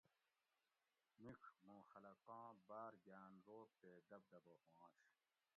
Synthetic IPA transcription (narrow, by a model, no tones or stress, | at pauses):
mikʰmũːxɐlɐkãːbaːɾɡjaːnɾoːp̚teːd̪ɐb̚d̪ɐbohãːɕ